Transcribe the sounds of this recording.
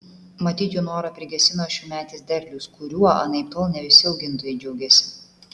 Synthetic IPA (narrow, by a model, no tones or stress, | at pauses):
mɐt̪ʲiːt͡ʃʲuːnoːɾɐpʲɾʲɪɡʲɛsʲɪnoːʃʲuːmʲæːt̪ʲizd̪ʲɛɾʲlʲuskʰʊɾʲuɔɐ̰nɐɪt̪olˠnʲɛʋʲɪsʲɪɐʊɡʲɪnt̪oːjɛɪd͡ʒʲɛʊɡʲɛsʲɪ̥